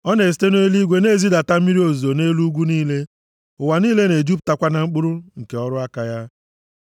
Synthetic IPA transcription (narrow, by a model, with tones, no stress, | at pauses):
ɔ˦ne˨si̥˨te˦no˦e˦li˦ɡʷe˨ne˦˨zi˦da˨ta˦m̩˦i˦ɾi˦o˨zo˨ne˦lu˦ɡʷu˦niː˦le˦ | ʊ˨wa˨niː˦le˦ne˨d͡ʒu˦p̚ta˦kʷa˦na˨ŋ͡m̩˦k͡pʊ˦ɾʊ˦ŋ̩˨ke˨ɔ˦ɾʊ˦a˦ka˨ja˦